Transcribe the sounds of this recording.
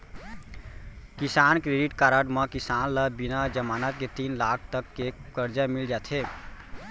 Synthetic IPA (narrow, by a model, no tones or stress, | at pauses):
kisankɾeɖiʈkaɾəɖməkisanləbinad͡ʒəmanət̪̚ket̪inlakʰt̪əkːekəɾd͡ʒamild͡ʒat̪ʰe